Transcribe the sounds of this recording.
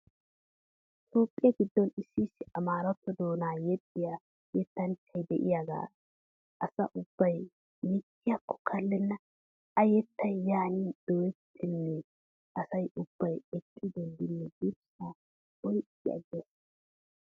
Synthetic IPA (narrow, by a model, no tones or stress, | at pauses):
t̪o̞ːpʼːɪjɐɡɪd̪ːɔnɪsːiːsːɪʔɐmaːɾɐt̪ːɔd̪oːnaːjɛt̪ʼːɪja | jɛt̪ːɐnt͡ʃːɐjd̪ɛʔɪ̰jaɡa̰ː | ʔɐsɐ̰ʔʊb̥ːɐj | mɪkːɪjɐkːɔ̥kʰɐlːɛnːɐ | ɐjɛt̪ːɐjjaːniːd̪̥ɔjɛt̪ʰːɪnːɛ | ʔɐsɐjʔʊb̥ːɐjɛkʼːɪd̪ɔld̪ɪnːɛɡibsa | bɔjʔɪɐ̰ɡɛs